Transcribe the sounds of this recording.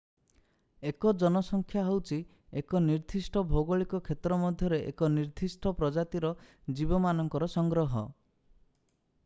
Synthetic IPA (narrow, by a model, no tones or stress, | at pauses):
ekɔd͡ʒɔnɔsɔŋkʰjaɦewt͡ʃʰi | ekɔniɾd̪ʱisʈɔbʱoɡɔɭikɔkʰet̪ɾɔmɔd̪ʱjɔɾeʔḛkɔniɾd̪ʱisʈɔpɾɔd͡ʒat̪iɾɔ | d͡ʒibɔmanɔŋkɔɾɔsɔŋɡɾɔɦɔ̰